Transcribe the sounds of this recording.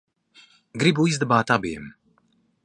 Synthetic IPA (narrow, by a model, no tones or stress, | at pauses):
ɡɾibuizd̪ɛbaːt̪abḭm